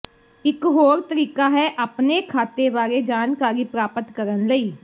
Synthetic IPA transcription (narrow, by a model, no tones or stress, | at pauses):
ɪkɦoːɾt̪əɾiːkaːɦɛʔəpnekʰaːt̪eʋaːɾed͡ʒaːnkaːɾiːpɾaːpət̪kəɾənləiː